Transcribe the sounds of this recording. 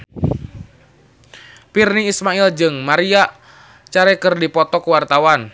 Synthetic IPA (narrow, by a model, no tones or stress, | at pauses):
pirniːsmaild͡ʒɨŋmaɾia | t͡ʃaɾɛkərdipɔt̪ɔkuwart̪awan